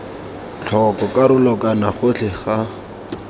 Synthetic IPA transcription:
t͡ɬʰɔkɔkʼaɾʊlɔkanaχʊt͡ɬʰɪχa

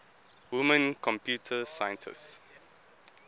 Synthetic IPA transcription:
wumə̃nkʰɔ̃mpjutʰəsajə̃ntʰə̰s

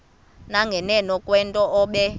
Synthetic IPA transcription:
naŋɡʱɛnɛnɔkʼwɛntʼɔʔɔːɓɛ

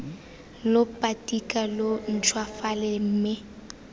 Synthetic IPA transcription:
lopʼatʼikʼalon̩t͡ʃʰwafalem̩ːmɪ

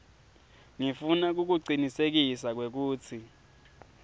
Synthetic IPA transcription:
ŋifunak̬uk̬uǀinisek̬isak̬wek̬uːt͡sʰi

